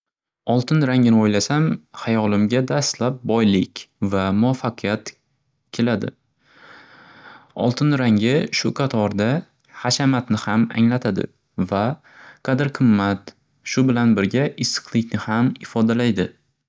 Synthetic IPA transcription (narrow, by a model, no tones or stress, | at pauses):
ɒlˠt̪ʰɪnɾaŋɪnɪojlasamhajɒlɪmɡʲad̪ast̪lap̚bɒjlɪkʲvamʊafːaqʰɨjat̪ | kʲʰe̞lad̪ɪ̰ | ɒ̰lˠt̪ʰɪnɾaŋʲɪʃʊqʰɑt̪ʰɒɾd̪a | haʃamat̪nɪhama̰ŋlat̪ʰad̪ɪ̰ | va | qʰɑd̪ɪɾqʰɨmːat̪ | ʃʊbɪlanbɪɾɡʲaʔɪsːɨ̥qlˠɪkʲnɪhamɪfɒd̪alajd̪ɪ